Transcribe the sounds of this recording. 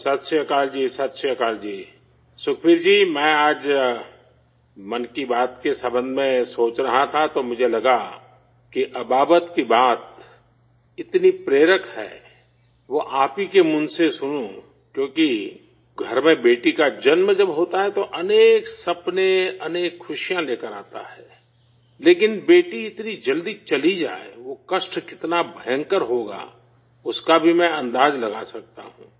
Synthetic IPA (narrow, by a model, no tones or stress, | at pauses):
sət̪səkaːld͡ʒiːsɐt̪ʃiəkaːld͡ʒiː | sʊkʰbiːɾd͡ʒiːmɛ̃ːaːd͡ʒ | mɐnkibaːt̪kesɐ̃bə̃nd̪ʱmẽsoːt͡ʃɾɐɦat̪ʰat̪omʊd͡ʒʱelɐɡa | kiʔɐbaːbət̪kibaːt̪ | ɪt̪nipɾeːɾəkɦɛ̰ː | ʋoʔaːpikemʊ̃nsesʊnũ | kjõːki | ɡʱɐɾmẽbeːʈikad͡ʒɐnmẽd͡ʒɐbɦoːt̪aɦɛt̪oʔɐneːksɐpneɐneːkxʰʊʃijãleːkəɾa̰ːt̪a̰ɦɛː | leːkɪnbeːʈiɪt̪nid͡ʒɐld̪it͡ʃɐlid͡ʒa̰ːḛʋokɐʃʈkɪt̪nabʱəjə̃ŋkəɾɦoːɡa̰ː | ʊskabʱimɛ̃ɐ̃nd̪aːd͡ʒlɐɡasɐk̚t̪a̰ɦṵ̃ː